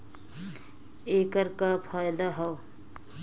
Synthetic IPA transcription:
ekəɾkapʰaːjd̪aɦɔw

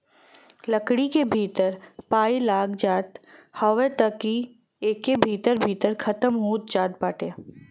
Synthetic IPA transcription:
ləkɽikebʱiːt̪əɾpaːilaːɡd͡ʒaːt̪hɐʋət̪əki | eːkːebʱiːt̪əɾbʱiːt̪əɾkʰɐt̪əmɦuːt̪̚d͡ʒaːt̪̚baːʈe

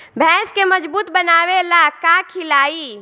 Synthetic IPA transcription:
bʱɛskeməd͡ʒbuːt̪bənabelakakʰilai

